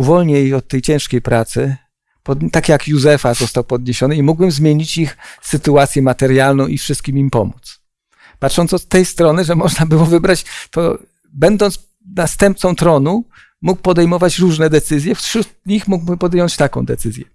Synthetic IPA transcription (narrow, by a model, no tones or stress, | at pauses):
uvɔlɲejɔt̪ːɛjt͡ɕɛ̃w̃ʂkʲejpɾat̪sɘ | pɔd̪t̪akʲjakjuzɛfazɔst̪awpɔd̪ɲeɕɔnɘimuɡbɘmzmʲjeɲit͡ɕixsɘt̪uat̪sʲjɛmat̪ɛɾjalnɔ̃w̃ʔifʂɘst̪̚kʲimimpɔmut̪s | patʂɔnt̪sɔːɛjst̪ɾɔnɘʐɛmɔʐnabɘwɔvɘbɾat͡ɕt̪ɔ̰ | bɛnd̪ɔnt̪s | nast̪ɛmp̚t̪sɔ̃w̃t̪ɾɔnu | muk̚pɔd̪ɛjmɔvat͡ɕɾuʐnɛd̪ɛt̪sɘzʲjɛfʃɾut̪̚ɲixmuɡ̚bɘmpɔd̪jɔɲt͡ɕt̪akɔ̰̃w̃d̪ɛt̪sɘzʲjɛ